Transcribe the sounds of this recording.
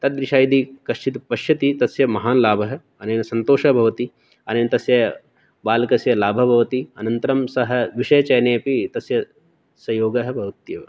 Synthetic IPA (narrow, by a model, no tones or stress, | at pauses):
t̪ɐt̪̚d̪ɾiʃaːjd̪ikɐʃt͡ʃit̪pɐʃjɐt̪it̪ɐsjɐmɐɦaːnlaːbʱɐɦɐ̆ | ɐneːnɐsɐnt̪oːʃɐbʱɐʋɐt̪i | ɐneːnɐt̪ɐsjɐ | baːlkɐsjɐlaːbʱɐbʱɐʋɐt̪iɐnɐnt̪ɐɾɐmsɐɦɐ̆ʋiʃɐjɐt͡ʃɐjneːɐpit̪ɐsjɐ | sɐjoːɡɐɦɐ̆bʱɐʋɐt̪jɐʋ